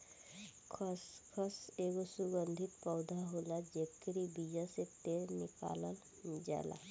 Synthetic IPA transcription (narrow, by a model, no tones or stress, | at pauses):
kʰskʰɔseːɡosuɡənd̪ʱɪt̪pɔʊd̪ʱaɦolad͡ʒekɾibid͡ʒaset̪eɾnɪka̰ːləl | d͡ʒa̰la̰